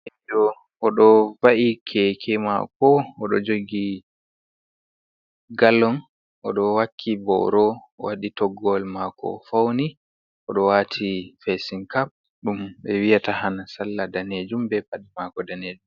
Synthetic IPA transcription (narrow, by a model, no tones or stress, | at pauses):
ɛd͡ʒɔ | ʔɔɗɔvaʔikʰɛkʰɛma̰kɔɔɗɔd͡ʒoɡi | ɡalːɔn | ʔɔɗɔwakʰːibɔ̰ɾɔ̰ | waɗitɔɡɔlmakɔ̰fawni | ʔɔɗɔwaːtʰifɛsinkap̚ | ɗumɓɛwijatahanasalːadaned͡ʒumbɛbaɗimakɔdaned͡ʒum